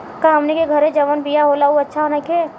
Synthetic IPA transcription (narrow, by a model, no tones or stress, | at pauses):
kaɦɐmnekeɡʱəɾẽd͡ʒɐʋənbijaɦolauɐtːʃʰaɦonake